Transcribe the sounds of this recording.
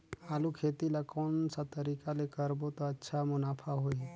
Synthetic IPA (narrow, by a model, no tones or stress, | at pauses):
aːlukʰet̪ilakɔnsat̪əɾikalekəɾbot̪ɔətːʃʰamʊnaːpʰaɦoi